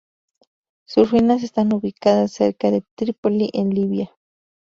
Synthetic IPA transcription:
suɾwinas̬est̪anuβikaðasːḛɾkaðet̪ɾipoliʔenliβja

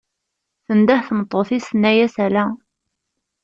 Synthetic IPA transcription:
θənd̪æhθmət̪ˤːoθisənːæjæsælæ

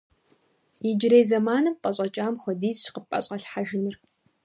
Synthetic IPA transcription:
jɪd͡ʒɪɾeːzɐmaːnɨmqʼɐɕʼɐt͡ʃʼaːmxʷɔdiːzʃqəpʼɐ̰ɕʼɐɬħaʒɪnɨr

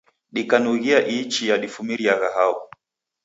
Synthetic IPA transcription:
ɗikanuɣiaʔit͡ʃijaɗifumiɾiaɣaɦaɔ

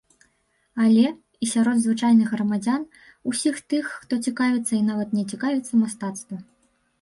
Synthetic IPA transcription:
alʲɛ | isʲaɾɔd̪zvɨt͡ʂajnɨɣɣrɐmad͡zʲan | usʲixt̪ɨxːt̪ɔt͡sʲikavʲɛt̪sːɐinavɐt̪nʲɛt͡sʲikavʲɛt̪sːɐmast̪at̪st̪vɐ

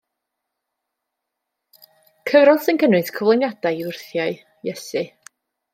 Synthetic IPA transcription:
kʰəvɾɔlˠsɪnkʰənɨdkʰɔvlˠenjad̥ajiʊrθjaɨ | jɛsɨ

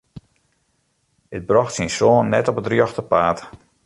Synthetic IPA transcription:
dət̚brɔxtsinsoːnːɛtɔpətrjɔxtəpaːt

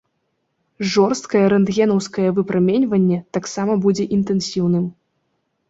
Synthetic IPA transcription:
ʐɔrst̪kɐjɛɾɛnd̪ɣʲɛnɐwskɐjɛvɨpɾamʲɛnʲvɐnʲːɛt̪aksamɐbud͡zʲɛʔint̪ɛnsʲiwnɨm

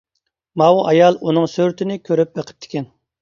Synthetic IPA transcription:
mɑwʔɑjɑlˠunɨŋsøɾt̪ʰɪnɪkʲʰøɾyp̚beqʰə̥p̚t̪ʰɪ̥kʲɛn

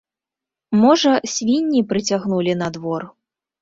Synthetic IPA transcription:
mɔʐɐsʲvʲinʲːipɾɨt͡sʲaɣnulʲin̪ɐd̪vɔr

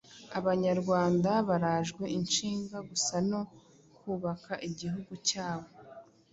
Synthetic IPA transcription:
aβaɲaɾɡwaːndaβaɾaːʒɡwe̞ʔint͡ʃiːŋɡaɡusano̞ | kuːβakaʔiɟiɦuɡucaːβo̞

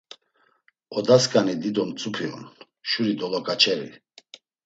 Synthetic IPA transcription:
ɔd̪askʼanid̪id̪ɔnt͡sʼupʰiɔ̰n | ʃuɾid̪ɔlɔkʼat͡ʃʰɛɾḭ

